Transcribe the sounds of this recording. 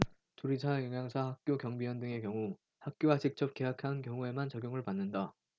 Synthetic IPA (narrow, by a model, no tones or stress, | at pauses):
tuɾid͡ʑʰajʌŋjaŋsʰahak̚k͈jokjʌŋbiwʌndɯŋe̞kjʌŋu | hak̚k͈joad͡ʑik̚t͡ɕ͈ʌp̚k͈e̞ɦakʰankjʌŋue̞mant͡ɕʌɡjoŋɯɭpanːɯnda